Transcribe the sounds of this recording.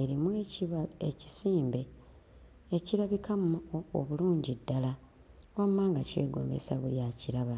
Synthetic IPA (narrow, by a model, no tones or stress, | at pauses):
e̞ɾimueieci̥siːmbe̞ | eciɾaβikʰamoβuluːɲɟidːala | wammaːŋɡace̞̰ːɡo̰ːmbḛsaβuljaciɾaβa